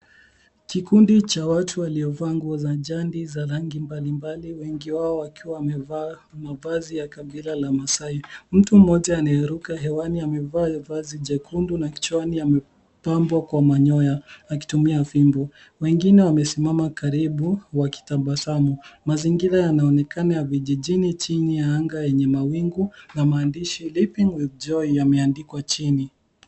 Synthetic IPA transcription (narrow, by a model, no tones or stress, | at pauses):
kikundit͡ʃawatʰuwaliɔvaŋɡwazaʄandizaɾaŋɡimbalimbaliwɛŋɡiwaɔakiwaːmɛvaː | mavazijakaɓilalamasaim̩tum̩ːɔʄaːnaɛɾukaɦɛwaniamɛvaːvaziʄɛkʰundunakt͡ʃaniamɛ | pambwakwamaɲɔjaak̬i̥tumiafimbɔ | wɛŋɡinɛwamɛsimamakaɾiɓuwaki̥taɓasamumaziŋɡiɾajanaɔnɛkanajaviʄiʄinit͡ʃinijaaŋɡajɛɲɛmawiŋɡunamaːndiʃilipiŋwɛv̚d͡ʒɔijamɛandikwat͡ʃini